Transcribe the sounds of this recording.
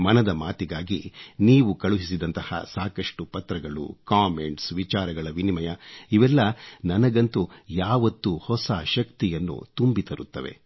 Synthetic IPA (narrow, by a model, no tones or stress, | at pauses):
mɐnɐd̪ɐmaːt̪iɡaːɡiniːʋukɐɭuɦis̬id̪ɐnt̪ɐhɐ̰saːkɐʂʈupɐt̪ɾɐɡɐɭṵkaːme̞ɳʈsʋit͡ʃaːɾɐɡɐɭɐʋinimɐjɐiʋɛlːɐnɐnɐɡɐnt̪ujaːʋɐt̪ːuhɔsaːʃɐkt̪ijɐnːṵt̪umbit̪ɐɾut̪ːɐʋe̞̰